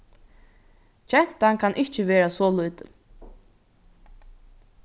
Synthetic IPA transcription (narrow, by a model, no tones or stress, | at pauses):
t͡ʃɛn̥t̪aŋkʰanʔɪt͡ʃəʋeːɾasɔːlujt̪ə̰